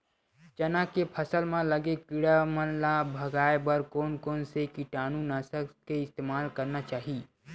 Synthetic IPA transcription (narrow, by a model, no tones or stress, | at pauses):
t͡ʃɐnakepʰɐsəlmãlɐɡekɪɽamənlabʱɐɡaːebəɾkoːnkoːnsekiʈaːnũnaːsəkkeɪst̪eːmaːlkɐɾnat͡ʃaːɦi